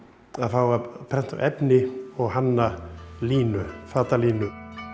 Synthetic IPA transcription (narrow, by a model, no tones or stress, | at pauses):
aðfaːwɣapʰɾɛn̥t̪awʔɛpnɪɔɣɦanːaliːnʏfaːt̪aliːnʏ